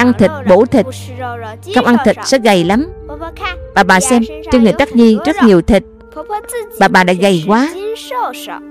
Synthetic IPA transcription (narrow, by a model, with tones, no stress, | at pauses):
ʔa˧ŋt̪ʰi˨˩k̟̚ɓo̰˧˥˩t̪ʰï˨˩k̟̚ | kə˧wŋ͡mʔa˧ŋt̪ʰï˨˩t̟̚sɛ̰˧˥ɣa˨˩jla˨˦m | ɓaː˨˩ɓaː˨˩sɛ˧mt͡ɕe˧nŋɨ˨˩jt̪a˦˥t̚ɲi˧zə˦˥t̚ɲi˨˩əwt̪ʰï˨˩t̚ | ɓaː˨˩ɓaː˨˩ɗa̰ː˧˥ɣa˨˩jkwaː˨˦